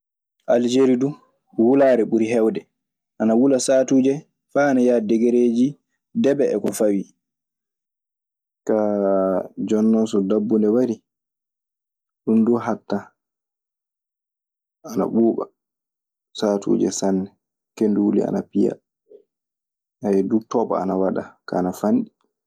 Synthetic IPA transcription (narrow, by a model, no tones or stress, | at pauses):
ʔald͡ʒeɾidu | wulaːɾɛɓuɾiɦɛwdɛ | ʔanawulasatuːd͡ʒɛ | faːnajaːdɛɡeɾeːd͡ʒi | dɛbɛɛkɔfawi | ka | d͡ʒɔnːɔnsɔdabːundɛwaɾi | ɗunduɦatːa | ana̰ɓuːɓa̰ | satṵːd͡ʒɛ̰sanːɛ | kenduwulḭa̰napija̰ | ʔajɛdutɔːɓa̰a̰nawaɗaka̰ːnafanɗi